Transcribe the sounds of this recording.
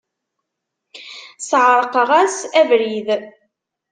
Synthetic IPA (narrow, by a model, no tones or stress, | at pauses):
sʕɾˤəqəʁæsævɾið